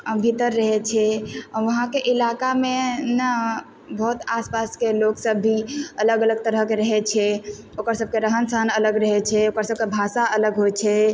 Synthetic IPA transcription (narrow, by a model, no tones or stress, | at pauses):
əbʱit̪əɾːəɦɛt͡ʃʰɛɔɾʋəɦãkeʔilakamena | bʱɔɦut̪aspaskeloksəbʱːiələɡələɡ̚t̪əɾəɦkeɾəɦɛt͡ʃʰɛ | okəɾsəb̚keɾəɦənsəɦənələɡɾəɦɛt͡ʃʰɛokəɾsəb̚kebʱasaələɡɦot͡ʃʰɛ